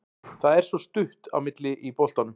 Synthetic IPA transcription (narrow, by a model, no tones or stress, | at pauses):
θaðɛɾ̥svɔst̪ʏht̪a̰wmɪt̪lɪʔipɔwlt̪anʏm